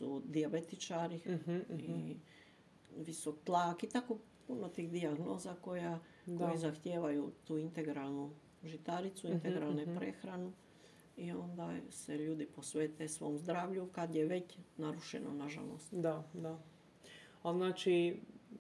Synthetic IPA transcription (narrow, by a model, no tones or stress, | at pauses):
sud̪iabe̞t̪it͡ʃaːɾii | ʋisok̚t̪lˠaːkit̪ako̞ | punot̪iːɣd̪iaɡnoːzako̞ja | kojizaxt̪jeːʋajut̪uːint̪e̞ɡɾalˠnu | ʒit̪aɾit̪suint̪eɡɾalˠnepɾexɾanu | io̞nd̪aseʎuːd̪ipo̞sʋeːt̪esʋo̞ːmzd̪ɾaːʋʎukad̪jeʋe̞t͡ɕnaɾuʃḛno̰naʒa̰lo̰st̪d̪ad̪a | aznaːt͡ʃi